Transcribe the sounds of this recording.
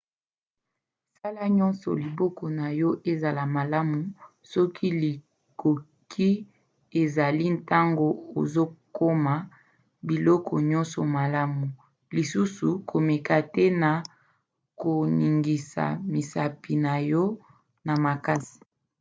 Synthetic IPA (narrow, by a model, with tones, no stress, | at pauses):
sa˦la˦ɲɔ˦nsɔ̰˨li˨bɔ˦kɔ˨na˨jɔ˦ʔe˦za˨la˨ma˨la˦mu˨ | sɔ˦kʰi˦li˨ | ko˨ | kʰi˦ | e˨za˨li˦nta˦ŋɡo˨o˨zo˦ko˦ma˨ | bi˨lɔ˦kɔ̰˨ɲɔ̃˦nsɔ˨ma˨la˦mu˨ | li˨su˦su˨kʰo˨me˨ka˨tɛ˦na˨ | ko˨ni˨ŋɡi˨sa̰˨mi˨sa˨pi˨na˨jɔ˦ | na˨ma˨ka˦si̥˨